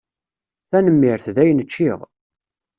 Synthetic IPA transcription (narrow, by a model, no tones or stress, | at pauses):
θænəmːɪɾθðæjnət͡ʃːiʁ